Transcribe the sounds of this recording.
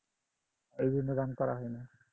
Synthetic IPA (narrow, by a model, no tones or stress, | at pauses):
ejzinuɡankɔɹa̰ɦɔjna